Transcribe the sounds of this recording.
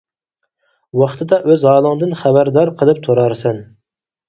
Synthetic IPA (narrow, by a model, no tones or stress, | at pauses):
wɑχt̪ʰɨd̪ɑʔøzɑːlˠəŋd̪ɨnχæbæɾd̪ɑɾqʰəlˠɨp̚t̪ʰoɾɑɾsɛn